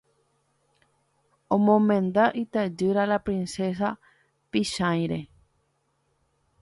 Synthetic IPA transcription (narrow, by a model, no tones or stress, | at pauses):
õmõmẽnd̪aʔit̪ad͡ʒɨɾalapɾĩnses̬a | piʃãjɾe